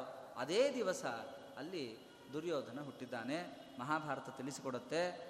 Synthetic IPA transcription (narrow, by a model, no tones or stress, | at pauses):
ɐ̰d̪eːd̪iʋɐsɐ | ɐlːi | d̪uɾjoːd̪ʱɐnɐɦuʈːid̪ːaːne | mɐɦaːbʱaːɾɐt̪ɐt̪ilisikɔɽɐt̪ːe̞